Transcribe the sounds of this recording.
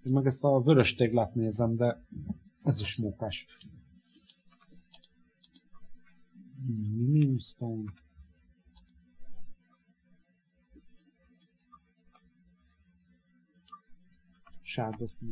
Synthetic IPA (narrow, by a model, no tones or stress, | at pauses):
eːnmɛɡɛst̪ɒvøɾøʃt̪eːɡlat̪neːzɛmd̪ɛ | ɛziʃmokaʃt | minimst̪oːn | ʃaːrd̪of